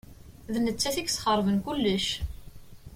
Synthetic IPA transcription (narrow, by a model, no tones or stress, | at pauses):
ðnət͡sːæθiçsχəɾˤvənkulːəʃ